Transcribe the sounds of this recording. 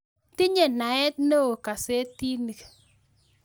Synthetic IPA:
ti˦ɲe˨na˨ɛ˦t̚no˦o˨ka˨se˦ti˦ni˨k

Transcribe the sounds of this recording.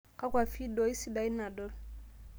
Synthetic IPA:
ka˦kwa˨fi˦do˨˦i˦si˦˨da˦i˦na˨dɔ˦l

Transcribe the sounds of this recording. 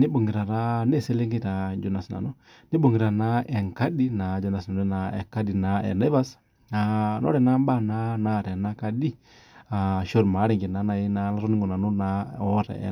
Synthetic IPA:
ni˦ɓo˨ŋɡi˨ɾa˨ɾa˦ne˦˨se˦le˦ŋɡi˦ta˨d͡ʒo˨na˨sna̰˨no˦ | ni˦ɓo˨ŋɡi˨ɾa˨na˦ɛ˨ŋka˦di˦na˨d͡ʒɔ˨˦na˨sna˨nɛ˦na˨ɛ̰˨ka˦di˨na˨ɛ̰˨ne˦va˦s | a˨nɔ̰˦ɾɛ˨na˦ɓa˦˨na˦na˨ɾɛ˨na˦ka˧di˦ | a˨ʃo˦ɾma˨˦ɾi˨ŋɡi˨na˨˦na˨i˦na˧˦la˦ɾo˦ni˦ŋɡo˨na˨nu˦na˦ɔ˦ɾɛ̰˨

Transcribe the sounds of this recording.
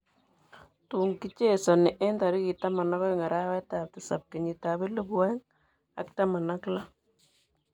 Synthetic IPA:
tu˨ŋki˦t͡ʃe˦˨sɔ˨nɪ˨ʔe˦nta˨ɾi˦ki˨ta˦ma˨nɔ˦kɔ˦ŋa˨ɾa˦wɛ˦ta˨tɪ˨sa̰˨p̚ke˨ɲi˨ta˨βɪ˦lə˦bwɛ˦ŋ | a̰˦kta˦ma˨na˦kla˦

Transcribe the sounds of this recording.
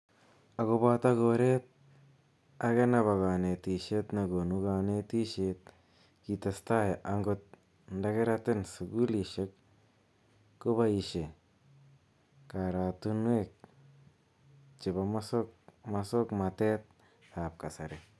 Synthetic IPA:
a˨ɣo˦ba˦ta˦ɣoɾe˦t̪̚ | a˦ɣe˦na˨βa˨ɣa˨ne˨ti˨ʃe˦t̪na˨ɡo˨nu˦ɡa˧ne˦ti˦ʃet̪̚ | ki˨ta˨sta˦jʔa˦ŋɡʊt̪̚ | ndaɡe˦ɾatɪ˦nsu˨ɡu˦li˨ʃe˦k | ʊ˦ba˦i˨ʃe˨ | ka˨ɾa˨tu˦nwe˦k̚ | t͡ʃɪ˨βamasokmaso˦kma˨te˦t̪̚ | a˨p̚ka˨sa˨ɾe˨

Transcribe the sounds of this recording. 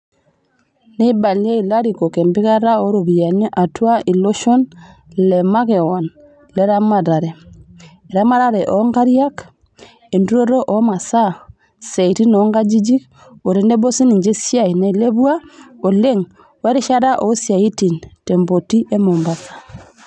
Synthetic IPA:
ne˦ba˨lje˦i˨la˦ɾi˨ko˨kɛ˨mbi˦ka˦ɾa˦o˨˦ɾo˨βi˨ja˨ɲa˦ʔa˨twa˦i˨lo˦ʃo˦n | lɛ˨ma˦ke˨wa˨n | lɛ˦ɾa˦ma˨ɾa˨ɾɛ˨ | ɛ˨ɾa˦ma˦ɾa˦ɾɛ˨ʔɔ˨ŋɡa˦ɾja˦k | e˨ndu˦ɾo˦ɾo˦ʔɔ˨ma˨sa˦ | se˨i˨ɾi˦nɔ˨˦ŋɡa˦d͡ʒi˦d͡ʒi˦k | o˨ɾe˨nde˦bo˦si˦ni˨ɲd͡ʒe˦sja˦i˨ne˨le˦βwa˦o˨le˦ŋ | we˦ɾe˦ʃa˦ɾa˦ʔo˨˦sja˨i˦ti˨nte˨mbo˨ti˦ʔe˦mo˨mba˨sḁ˨

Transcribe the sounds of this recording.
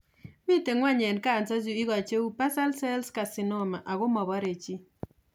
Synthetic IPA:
mi˦te˨ŋwa˦ɲɛ˨nka˦˨nt͡sa˦zu˦ɪ˦ɣɔ˨t͡ʃe˦u˦pa˦sa˦lsɛ˦lska˨sɪ˨nɔ˦ma˨ʔa˨ɣʊ˦mɔ˨bɔ˦ɾe˨t͡ʃi˦

